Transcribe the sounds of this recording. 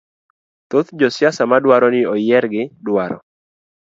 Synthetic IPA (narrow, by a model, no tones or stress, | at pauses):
t̪ot̪d͡ʒɔsjasamadwaɾɔnɪɔjɛɾɡɪdwaɾɔ̰